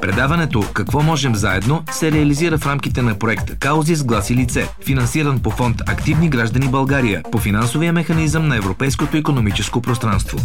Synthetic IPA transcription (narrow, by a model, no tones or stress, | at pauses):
pɾɛd̪avɐnɛt̪okɐkvɔmɔʒɛmzaɛd̪nosɛɾɛɐliziɾəfɾamkit̪ɛnɐpɾoɛkt̪əkaʊzizɡlˠasilit̪sɛfinɐnsiɾənpofɔnt̪ɐkt̪ivniɡɾaʒd̪ənibɐlˠɡaɾijəpofinansovijəmɛxɐnizəmnɐɛvɾopɛjskot̪oikonomit͡ʃɛskopɾost̪ɾanst̪vo̰